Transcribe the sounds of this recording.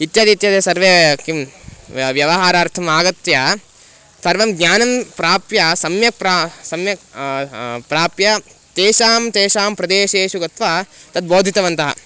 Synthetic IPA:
it̪jaːd̪it̪jɐd̪esɐɾʋekim | ʋjɐʋɐɦaːɾɐːɾt̪ʰɐmaːɡɐt̪jɐ | sɐɾʋɐmɡɲaːnɐmpɾaːpjɐsɐmjɐk̚pɾasɐmjɐ | pɾaːpjɐt̪eːʃaːmt̪eːʃaːmpɾɐd̪eːʃeːʃuɡɐt̪ʋɐt̪ɐd̪̚boːd̪ʱit̪ɐʋɐnt̪ɐɦɐ̰

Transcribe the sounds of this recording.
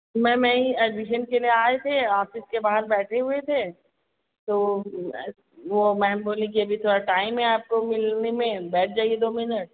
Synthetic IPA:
mɛ̃mɛ̃ĩɛɖmɪʃ̬ənkelieaːet̪ʰeaːfɪskebaːɦɾbɛːʈʰeɦuet̪ʰeː | t̪o | ʋomɛ̃ːboːlẽkiɐbʱit̪ʰoːɾaʈaːɪmːẽaːp̚komɪlnemẽbɛːʈ̚ʰd͡ʒaːied̪oːmɪnəʈ̚

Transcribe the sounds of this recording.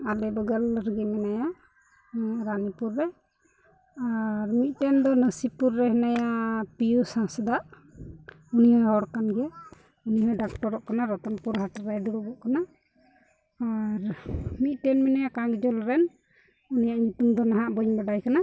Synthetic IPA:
alɛbɔɡələɾɡimɛnajaʔ | ɾanipuɾːɛ | aɾmit̪̚ˀʈɛnd̪ɔnəsipuɾːɛhɛnajapijusãsd̪aʔ | unijɔhɔɽkanɡɛ | uniɦɔɖak̚ʈɔɾɔʔkanaɾɔt̪ɔnpuɾɦaʈaɾajd̪ɔɾɔbɔʔkana | aɾmit̪̚ˀʈɛnmɛnajakãɡd͡ʒɔlɾɛn | unijaʔɲut̪umd̪ɔnaɦaʔbəɲbaɖajkana

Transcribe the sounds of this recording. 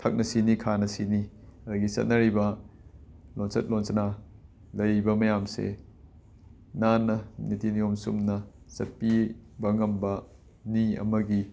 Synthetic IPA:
tʰɐk̚nɐsinikʰanɐsiniɐd̪ɐɡisɐ̰t̚nɐɾibɐ | lonsɐt̚lonsɐna | lɐjbɐmɐjamsḛ | nanɐnitinijomsṵmnɐ | sɐt̚pibɐŋɐmbɐ | niɐ̰mɐɡi

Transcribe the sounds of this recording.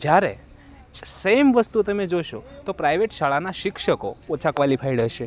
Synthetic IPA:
d͡ʒjaɾḛ | semʋəst̪ut̪əmed͡ʒoʃot̪opɾajʋeʈʃaɭanaʃɪkʃəkoːt͡ʃʰakʋalipʰaiɽəʃe

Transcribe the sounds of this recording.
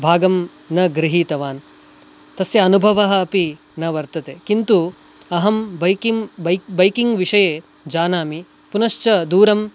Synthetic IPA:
bʱaːɡɐm | nɐɡɾiɦiːt̪ɐʋaːn | t̪ɐsjɐːnubʱɐʋɐɦɐːpi | nɐʋɐɾt̪ɐt̪eːkint̪u | ɐɦɐmbɐkibɐjkiŋɡʋiʂɐjeː | d͡ʒaːnaːmi | punɐʃt͡ʃɐd̪uːɾɐm

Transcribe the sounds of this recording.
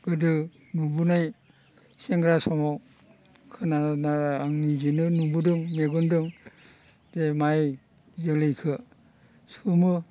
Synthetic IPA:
ɡ̥ɯdɯ | mubunaj | seŋɡɾasɔmaw | kʰɯnaaaŋnid͡ʒinɯnubudɯŋmeɡundɯŋ | zemaj | zɯlɯjkʰɯ | sumɯ

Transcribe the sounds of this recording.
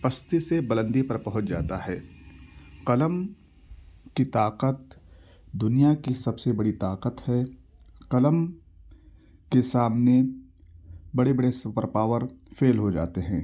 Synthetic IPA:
pɐst̪isebɐlə̃nd̪ipɐɾpɐɦʊ̃t͡ʃd͡ʒa̰ːt̪aɦɛː | qɐləm | kit̪aːqət̪ | d̪ʊnijakisɐbsebɐɽit̪aːqət̪hɛː | qɐləm | kesaːmne | bɐɽebɐɽesʊpəɾpaːʋəɾfeːlɦod͡ʒa̰ːt̪eɦɛ̃ː

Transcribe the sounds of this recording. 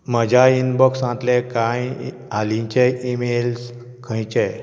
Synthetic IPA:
məd͡ʑʱainbəksãt̪lekãj | alĩɲt͡ɕeimels | kʰə̃jt͡ɕɛ

